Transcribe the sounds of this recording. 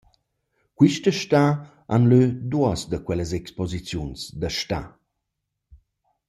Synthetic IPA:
kwiʃtəʃta | anlød̪uɔsd̪əkwɛləzɛkspɔzit͡sjunsd̪əʃta̰

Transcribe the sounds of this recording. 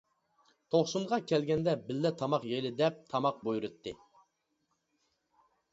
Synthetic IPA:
t̪ʰoχsumʁɑkʲʰɛlɡʲɛnd̪ɛbɪlːɛt̪ʰɑmɑqjelɪd̪ɛp̚t̪ʰɑmɑq̚bujuɾɨt̪ʰːɨ

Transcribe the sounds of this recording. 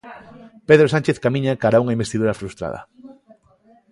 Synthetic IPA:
peðɾosant͡ʃeθkamĩɲakaɾauŋaĩmbest̪iðuɾɐfɾust̪ɾa̰ðɐ̰

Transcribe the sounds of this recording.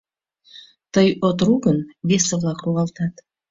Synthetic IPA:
t̪əjot̪ɾuɡənβʲesəvlˠɑkruʁɑlˠt̪ɑt̪

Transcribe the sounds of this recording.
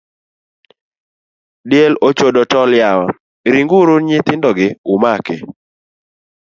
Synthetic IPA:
dɪɛlot͡ʃodotɔljawa | ɾiŋɡuɾuɲɪt̪ɪndɔɡɪʊmakɛ

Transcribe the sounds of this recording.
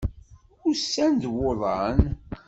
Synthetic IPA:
ʊɾsːænd̪woðˤɑn

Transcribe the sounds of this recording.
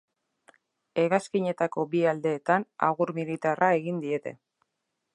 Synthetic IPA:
e̞ɣaskiɲe̞t̪ako̞biald̪e̞ːt̪ana̰ɣuɾmilit̪arʔae̞ɣind̪ie̞t̪e̞̰

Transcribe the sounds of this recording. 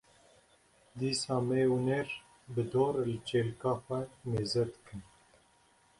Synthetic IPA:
d̪iːsɑːmeuneɾ | bɨd̪oːɾlɨt͡ʃeːlkɑːxʷɛmeːzɛd̪ɨ̥kɨn

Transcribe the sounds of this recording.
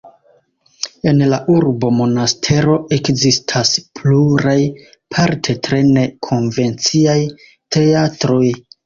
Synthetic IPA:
e̞nlaʔuɾbo̞mo̞nastʰe̞ɾo̞ʔe̞kzistʰaspluɾaj | pʰaɾtʰe̞tɾe̞ne̞kʰo̞nve̞nt͡siaj | tʰe̞atɾo̞j

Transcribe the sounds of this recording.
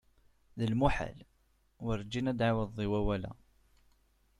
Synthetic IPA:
ðəlmuħa̰l | wəɾˤd͡ʒinæd̪ʕawəðːˤiwæwælæ̰

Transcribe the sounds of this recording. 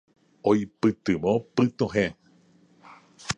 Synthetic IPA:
ojpɨt̪ɨmõpɨt̪õɦẽ

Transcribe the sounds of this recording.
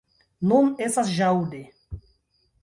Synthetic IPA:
nunestasʒawde

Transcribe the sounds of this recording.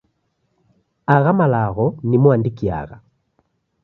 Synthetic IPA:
aɣamalaɣɔnimwandikia̰ɣa

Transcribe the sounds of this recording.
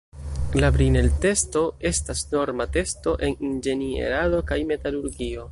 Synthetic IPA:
labɾine̞lte̞sto̞e̞stasno̞ɾmate̞sto̞ʔe̞nind͡ʒe̞nie̞̰ɾado̞kajme̞taluɾɡio̞

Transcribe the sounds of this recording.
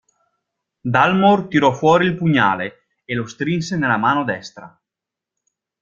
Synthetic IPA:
d̪almort̪iɾɔfwɔːɾiːlpuɲːa̰ːle | elost̪ɾinsenelamaːnod̪ɛst̪ɾa̰

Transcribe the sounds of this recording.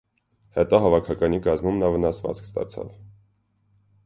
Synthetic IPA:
hɛt̪ɑɦɑvɑkʰɑkɑnikɑzmumnɑvənɑsvɑ̰t͡skst̪ɑ̰t͡sʰɑ̰v

